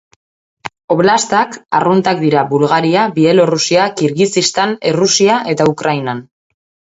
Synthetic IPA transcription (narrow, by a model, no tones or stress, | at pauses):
o̞βlast̪aka̰runt̪ak̚d̪iɾaβulɣaɾiaβie̞lo̞rusiakiɾɣisist̪ane̞rusiaʔe̞t̪aukɾajnan